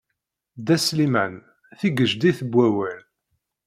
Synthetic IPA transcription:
d̪æslimæn | θiɡəʒd̪iθəbʷːæwæl

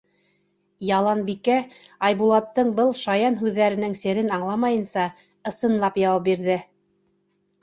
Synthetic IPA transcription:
jɑlˠɑnbikæɑjbulˠɑt̪ːɤɴbɤlˠʃɑjɑnɦʉðːæɾɘ̆nɘŋsɘ̆ɾɘnɑɴlˠɑmɑjɤ̆nsɑ | ɤ̆sɤ̆nlˠɑpjɑwɑp̚biɾðɘ

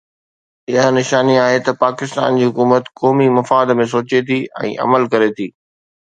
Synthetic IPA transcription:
ɪɦənɪʃaːniaːɦet̪ɐpaːkɪst̪a̰ːnd͡ʑiːɦʊkuːmət̪kɔːmimɐfaːd̪mẽs̬oːt͡ɕet̪ʰiɛ̰̃ːʔɐ̰məlkɐɾet̪ʰiː

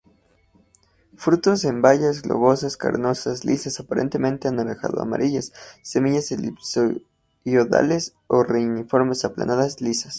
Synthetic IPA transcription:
fɾut̪o̞sembaʝazɣlo̞̰βo̞saska̰ɾno̞saslʔisasapaɾe̞̰nt̪e̞mẽ̞nt̪eanalexa̰ðo̞a̰ma̰ɾiʝasːe̞miʝaselipso | joða̰le̞s | o̞reunifo̞ɾme̞sapla̰naðaslisas

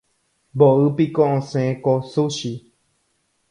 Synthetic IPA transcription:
boɨpikõʔõsẽẽkosuʃi

